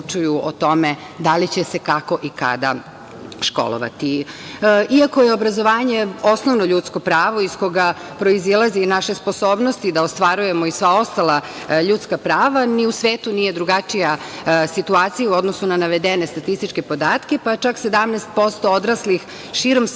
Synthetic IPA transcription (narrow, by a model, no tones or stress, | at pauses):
t͡ʃujuot̪o̞me | d̪alit͡ɕesekako̞ʔika̰d̪a̰ | ʃko̰lo̰ʋa̰t̪i | iakojeobɾazoʋaːɲe̞o̞sno̞ʋnoʎut̪sko̞pɾaːʋo̞isko̞ɡa | pɾo̞izilˠazinaʃe̞spo̞so̞ːbnost̪id̪aost̪ʋaɾuje̞moisʋao̞st̪alˠa | ʎut̪skapɾaːʋaniusʋeːt̪unije̞d̪ɾuɡat͡ʃijasit̪uaːt̪sijauo̞d̪nosunanaʋe̞d̪ene̞st̪at̪ist̪it͡ʃke̞pod̪aːt̪kepat͡ʃaksed̪amneːst̪̚po̞st̪ood̪ɾaslix | ʃiːɾo̞m